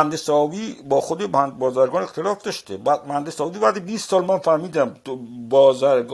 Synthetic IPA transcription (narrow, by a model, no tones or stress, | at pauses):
ænd̪esɒːviːbɒːxod̪ebænd̪bɒːzæɾɡɒːne̞xt̪ʰelɒːfd̪ɒʃt̪ebmænd̪esɒːviːbæːd̪ibiːst̪sɒːlmænfæɾmiːd̪æmbɒːzæɾɡ